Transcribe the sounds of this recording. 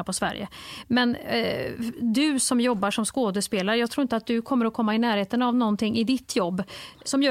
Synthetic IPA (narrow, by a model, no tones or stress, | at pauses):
apʰɔsvæ̰ɾjə̰mɛn | d̪ɵsɔmjɔbːaʂɔmskoːd̪əspeːlaɾəjɑɡt̪ʰɾuːɪnt̪əat̪̚d̪ɵkʰɔmːəɾɔkʰɔmːaɪnæːɾheːt̪ənavnɔnt̪ʰɪŋːɪd̪ɪt̪ʰːjɔbːsɔmjœː